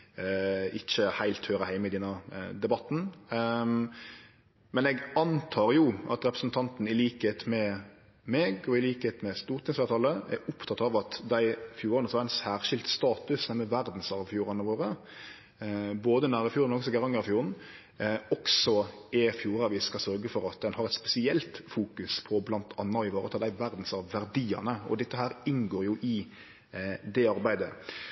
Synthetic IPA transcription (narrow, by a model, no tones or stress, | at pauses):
ɪçəhæɪlt̪høːɾəhæɪmɪd̪ɛnːɑd̪ɛbɑt̪n̩ | mɛnɛɡɑnt̪ʰɑːʁjʊʔɑ̰t̪ɾɛpɾəsn̩t̪ʰɑnt̪n̩ɪliːkəhet̪mɛ | meːɡɔɪliːkəheːt̪mɛst̪uːʁt̪ɪŋsfeːʁt̪ʰɑləæ̰ʔʊpt̪ʰɑt̪ːɑʋɑt̪d̪æɪfjuːɾɑnəsʋɑæɛnsæːʁʃɪlt̪st̪ɑːt̪ʉsæmɛʋæʁd̪n̩sɑʋfjuːʁɑnəʋoːʁə | boːd̪ənæːɾəfjuːɾnmɛnɔksɔɡɛʁɑŋːəɾɑfjuːʁən̩ | ɔksɔɛfjuːɾɑʋɪskɑsœɾɡəfɔɾɑt̪̚d̪ɛnhɑɾɛt̪spɛsɪɛlt̪fuːkʉspʰɔblɑnt̪ʰɑ̰nːɑɪʋoːɾət̪ʰɑd̪æɪʋæɾd̪n̩sɑʋʋæɾd̪iːɑ̰nəɔ̰d̪ɛt̪ːəɦæːɾɪnɡoːɾjʊʔɪ | d̪ɛɑɾbæɪd̪ə